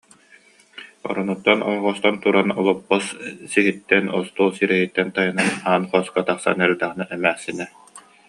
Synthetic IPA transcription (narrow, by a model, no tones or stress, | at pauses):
ɔ̰ɾɔnut̪ːɔnɔ̰jɔʁɔst̪ant̪uɾanɔlˠɔpːɔssiɦit̪ːɛnɔst̪uːlˠsiɾɛɦit̪ːɛnt̪ajɯnanaːnχɔskat̪aχsa̰nɛɾd̪aʁinaʔɛmæːχsinɛ